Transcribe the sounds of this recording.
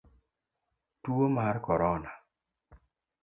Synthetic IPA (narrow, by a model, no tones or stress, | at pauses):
tuomarkɔɾɔna